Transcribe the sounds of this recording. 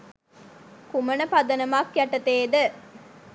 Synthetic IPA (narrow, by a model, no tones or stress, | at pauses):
kumɐnɐpɐd̪ɐnɐmakjæʈɐt̪eːd̪ə